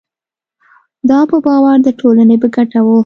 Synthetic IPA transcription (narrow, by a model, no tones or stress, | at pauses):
d̪ɑpəbɑwaɾd̪əʈʰolanebəɡaʈawu